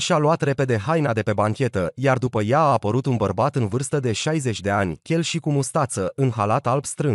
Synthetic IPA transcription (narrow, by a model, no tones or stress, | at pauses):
ʃialuat̪repe̞d̪e̞ɦajnad̪e̞pe̞baŋkʲe̞t̪əjard̪upəjaːpəɾut̪unbərbat̪ɨnvɨrst̪əd̪e̞ʃajze̞t͡ʃʲd̪e̞anʲkʲe̞lʃikumust̪at̪səʔɨnɦalat̪albst̪ɾɨn